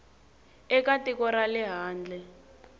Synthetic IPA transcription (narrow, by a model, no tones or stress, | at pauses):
ɛkatikɔɾalɛɦaːnd͡ɮʱɛ